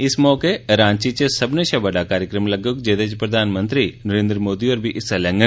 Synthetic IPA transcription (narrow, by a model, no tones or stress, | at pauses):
ɪsmɔːkeɾãːɲt͡ʃit͡ʃesɐbʱneʃãbɐɖakaːɾjəkɾəmlɐɡokd͡ʒeːd̪et͡ʃpɾɐd̪ʱaːnmənt̪ɾinəɾẽːnd̪ɾəmoːd̪iʋoɾbʱiʔɪsalẽŋɡə